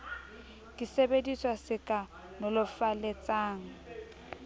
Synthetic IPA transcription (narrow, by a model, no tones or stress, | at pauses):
kʼɪsebediswasɪkʼa | nʊlʊfalet͡sʼaːŋ̩